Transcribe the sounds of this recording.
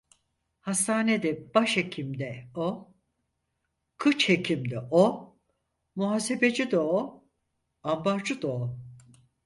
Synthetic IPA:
hast̪ʰaːned̪ɛb̥aʃhecʰimd̪ɛo | kʰɯt͡ʃhecʰimd̪ɛʔo | muɦaːse̞be̞d͡ʒid̪oo | ambaɾd͡ʒɯd̪oo

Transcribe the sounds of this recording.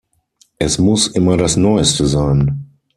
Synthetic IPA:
ʔɛsmʊsʔɪmɐdasnɔʏstəzaɪn

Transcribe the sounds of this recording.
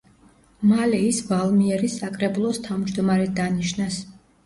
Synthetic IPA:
malɛisvalˠmiɛɾisakʼɾɛbulˠɔst̪ʰavmd͡ʒd̪ɔmaɾɛd̪aniʃnas

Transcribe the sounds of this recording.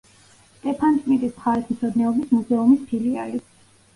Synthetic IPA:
st̪ʼɛpʰant̪ʼmit̪ʼismχaɾɛt̪ʰm̩t̪sʰɔd̪nɛɔbismuzɛumispʰiliali

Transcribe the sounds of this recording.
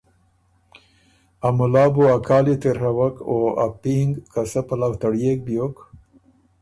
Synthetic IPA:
amʊlɑːbuakʰaːlit̪eɾɦawakoa̰piŋɡkasapalawt̪aɽjek̚bjok

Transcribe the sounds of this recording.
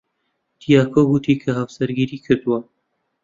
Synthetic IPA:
t̪ʰijaːkʰoɡut̪ʰiːkʰɐɦɐwsɐɾɡiɾiːkʰɨɾt̪uwa

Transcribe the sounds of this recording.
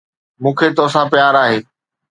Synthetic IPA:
mũːkʰeːt̪oːsãpjaːɾaːɦeː

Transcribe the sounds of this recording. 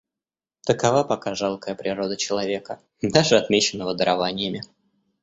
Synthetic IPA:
t̪əkɐvapɐkaʐalˠkəjəpɾʲɪɾo̞d̪ət͡ɕɪlˠɐvʲe̞kə | d̪aʐɨɐt̪mʲet͡ɕɪnːəvəd̪əɾɐvanʲɪjəmʲɪ

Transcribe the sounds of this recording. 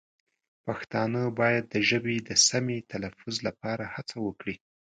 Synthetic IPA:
paxt̪ɑnəbɑjad̪ːəʒəbed̪əsamet̪ʰalafʊzlapɑɾahat͡sawəkɽi

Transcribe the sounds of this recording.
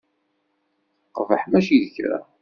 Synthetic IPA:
qvəħmæʃiðəçɾæ̰

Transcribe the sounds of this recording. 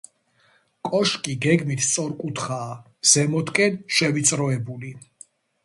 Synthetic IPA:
kʼɔʃkʼiɡɛɡmit̪ʰst̪sʼɔɾkʼut̪ʰχaː | z̥ɛmɔt̪kʼɛnʃɛvit̪sʼɾɔɛbuli

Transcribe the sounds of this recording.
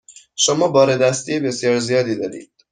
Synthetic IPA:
ʃomɒːbɒːɾed̪æst̪iebesjɒːɾzijɒːd̪iːd̪ɒːɾḭːd̪̥

